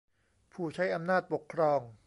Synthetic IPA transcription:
pʰuː˨˩t͡ɕʰa˦˥jʔa˧mnaː˥˩t̪̚po˨˩kʰːɾɔː˧ŋ

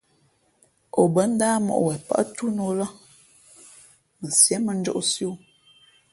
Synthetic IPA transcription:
o˨bə˨˦n̩˦daː˦mɔ̰˨ʔwɛ˨pa̰˦ʔtu˦no˨˦la˦ | mə˨sjɛ˨˦mə˨n̩˦d͡ʒo̰˦ʔsjo˦

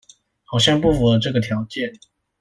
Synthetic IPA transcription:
xɑ˨˩ʊɕjɛ˥˧npu˥˩fu˨˩lə˩ʈ͡ʂɤ˥˩ɡə˩t̪ʰjɑ˧˥ʊt͡ɕjɛ˥˩n

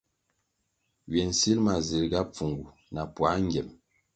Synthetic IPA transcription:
ɥɛ˨n̩˨si˦lma˨zi˨ɾɡa˦p͡fu˨ŋɡu˨ | na˨pwa˨˦ŋ˦ɡɛ˨m

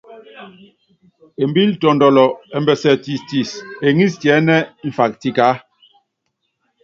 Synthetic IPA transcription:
e˨mbi˦ltɔ˨ndɔ˨lɔ˨ɛ˨mbɛ˨sɛ˨ti˨sti˨se˨ŋi˦stjɛ˨˦nɛ˦ɱ̩˨fa˨k̚ti˨ka˨˦

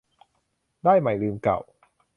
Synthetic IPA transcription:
daː˥˩jma˨˩˦jlɯː˧mka̰˨˩w

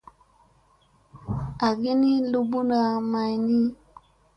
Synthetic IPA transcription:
a˨ɡe˦ni˦lu˦bu˦na˨ma˨jni˦

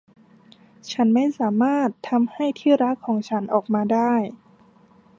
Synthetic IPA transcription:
t͡ɕʰa˦˥nma˥˩jsaː˩˦maː˥˩t̪ʰːa˧mha˥˩jt̪ʰiː˥˩ɾa˦˥kʰːɔː˩˦ŋt͡ɕʰa˦˥nʔɔː˨˩k̚maː˧daː˥˩j

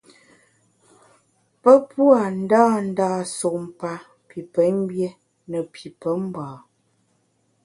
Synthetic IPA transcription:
pə˦pwa˨n̩˦daː˦˨n̩˦daː˦˨so˨ʔm˨pa˦ | pi˨pə˨˦m˦bje˦ | nə˨pʰi˨pə˦m˦baː˨

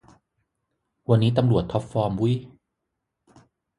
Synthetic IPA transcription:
wa˧nːiː˦˥t̪a˧mɾu˨˩ət̪ʰːɔ˦˥p̚fɔː˧mwu˦˥j

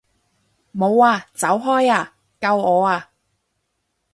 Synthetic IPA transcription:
mo˨˧waː˧t͡sɐ˨˥wɦɔː˥jaː˧ | kɐ˧wɔː˨˧aː˧

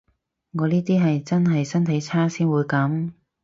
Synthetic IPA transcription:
ŋɔː˨˧niː˥t̪iː˥ɦɐ˨jt͡sɐ˥nɦɐ˨jsɐ˥nt̪ʰɐ˨˥jt͡sʰaː˥siː˥nwuː˨˧jkɐ˨˥m

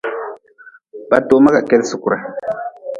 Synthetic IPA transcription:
b̥a˦to˦ma˦ka˨kɛ˦lsu˨ku˨ɾa˨

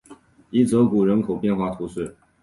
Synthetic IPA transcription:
i˥˩t͡sɤ˧˥ku˨˩ɻə˧˥nkʰo˨˩ʊpjɛ˥˧nxwa˥˩t̪ʰu˧˥swe˥˩

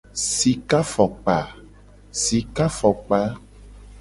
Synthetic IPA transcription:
si˨ka˦fɔ˨k͡pa˨ | si˨ka˦fɔ˨k͡pa˦

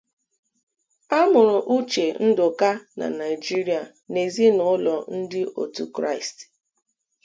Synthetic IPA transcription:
a˦mʊ˨ɾʊ˨ʔu˦t͡ʃe˨n̩˦dʊ˨ka˦na̰˨na˨ɪ˨d͡ʒi˦ɾi˨a˨ | ne˨zi˦nʊ˨˦lɔ˨n̩˦dɪ˦ʔo̰˨tu˦kɾa̰˦˨ɪ˨st

